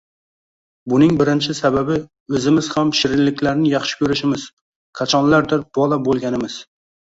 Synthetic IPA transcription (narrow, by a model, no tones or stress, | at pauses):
bʊnɪŋbɪɾɪnt͡ʃʰɪsababɪ | ɵzɪmɪz̥hamʃɪɾɪnlɪkʲʰlaɾnɪjɑχʃɪ̥kʲʰɵɾɪʃɪmɪz̥ | kʰat͡ʃʰɒnlaɾd̪ɪɾb̥ɒlˠabolˠɡʲanɪmɪz̥